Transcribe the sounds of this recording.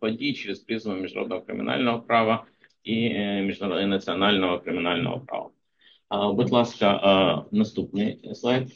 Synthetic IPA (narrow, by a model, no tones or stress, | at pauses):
pɐdʲit͡ɕɪɾʲɪspɾʲizəmʲɪʐd̪ʊɾo̰d̪nəvəkɾʲɪ̰mʲɪ̰nʔa̰lʲnəvəpɾavə | imʲɪʐd̪ʊnət̪sɨɐnalʲnəvəkɾʲɪmʲɪnalʲnə̰və̰pɾa̰vɐ̰ | bɨt̪lˠaskəʔnɐst̪up̚nɨjsˠajt̪